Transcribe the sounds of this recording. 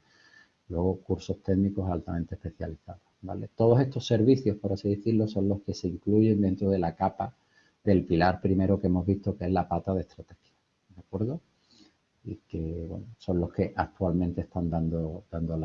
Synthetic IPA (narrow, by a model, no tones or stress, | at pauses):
lwe̞ɣ̞o̞kuɾso̞ht̪e̞ɣniko̞salt̪amẽ̞nt̪epe̞θja̰liθaðoba̰let̪o̞ð̞osest̪o̞se̞ɾβiθjo̞hpo̞ɾasiðeθiɾlo̞sõ̞nlo̞hke̞seiŋkluʝe̞nd̪e̞nt̪ɾoðe̞lakapa | ðe̞lpilaɾpɾime̞ɾoke̞mo̞zβist̪oke̞zlapat̪aðest̪ɾat̪e̞xja | rakwe̞ɾðo | ike̞βwe̞̰noso̞nlo̞hke̞ʔak̚t̪ualmẽnt̪est̪and̪and̪od̪and̪ol